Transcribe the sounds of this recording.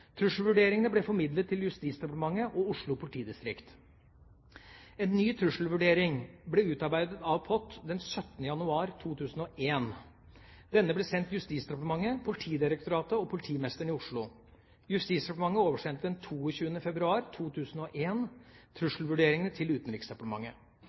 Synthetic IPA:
t̪ʰɾʉʂl̩ʋʉɖeːɾɪŋənəblɛfɔɾmɪd̪lət̪ʰːɪljʉst̪iːt̪sd̪ɛpɑt̪əmɑŋːəʔɔʊʂɭʊpʰʊlɪt̪ʰiːd̪ɪst̪ɾɪkt̪ | ɛnːyːt̪ʰɾʉʂl̩ʋʉɖeːɾɪŋblɛʉːt̪ɑɾbæɪd̪ət̪ɑʋpʰɔt̪ːd̪ɛnsœt̪nəjɑnʉɑːɾt̪ʰuːt̪ʰʉːsn̩ɔʔeːn | d̪̥ɛnːəblɛsɛnt̪jʉst̪iːt̪sd̪ɛpɑʈ̪əmɑŋːəpʰʊlɪt̪ʰiːd̪ɪɾək̚t̪ʊɾɑːt̪əɔpʰʊlɪt̪ʰiːmɛst̪əɳɪʊʂɭʊ | jʉst̪iːt̪sd̪ɛpɑʈ̪əmɑŋːəoːʋəʂɛnt̪əd̪ɛnt̪ʰuːɔçʉːənəfɛbɾʉɑːɾt̪ʰuːt̪ʰʉːsn̩ɔʔeːnt̪ʰɾʉʂl̩ʋʉɖeːɾɪŋənət̪ʰɪlʉːt̪n̩ɾɪksd̪ɛpɑʈ̪əmɑ̰ŋːə̰

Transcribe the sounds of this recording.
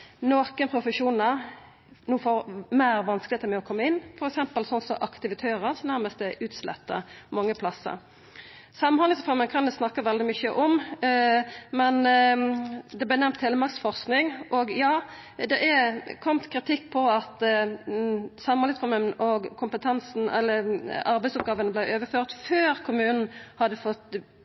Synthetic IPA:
noːkənpʰɾʊfəʂuːnəɾ | nuːfoːɾmæːɾʋɑnskəlɪet̪əɾmɛɔkʰɔmːəɪnːfɔɾɛksɛmpəlsɔnsɔʔɑkt̪ɪʋɪt̪ʰeːɾəɾsɔnæɾməst̪d̪ɛʔʉːt̪slɛ̰t̪ːə̰ʁmɑŋːəpʰlɑsːə̰ɾ | sɑmnhɑnlɪŋsfɔɾmənkʰɑnd̪ɛsnɑkːəʋɛld̪ɪmʏçəʔɔm | mɛn | d̪ɛblæɪnɛmt̪heːləmɑksfɔʁsknɪŋʔɔɡjɑːd̪ɛʔɛkʰɔmt̪kʰʁɪt̪ʰɪkːpʰɔɑt̪ | sɑmːnɑnɪsfɔɾmənʔɔɡkʰʊmpət̪ʰɛnsn̩ɛ̰lːəɑɾbæɪsɔp̚ɡɑːʋənəblæɪøːʋəføːʁt̪føːɾkʰʊmʉːnn̩hɑd̪əfɔt̪ː

